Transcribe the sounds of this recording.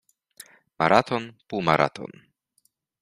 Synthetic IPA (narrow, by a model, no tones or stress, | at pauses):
maɾʔat̪ʰɔnpumaɾʔa̰t̪ʰɔ̰n